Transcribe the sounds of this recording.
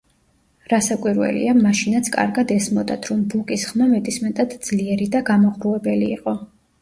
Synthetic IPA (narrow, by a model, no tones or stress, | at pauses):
ɾasakʼwiɾwɛ̰lḭamaʃinat̪sʰkʼa̰ɾɡad̪ɛsmɔd̪at̪ʰɾɔmbukʼisχmamɛd̪ʼismɛt̪ʼad̪̥d̪z̥liɛɾid̪aɡamɔʁɾuɛbɛliːqʼɔ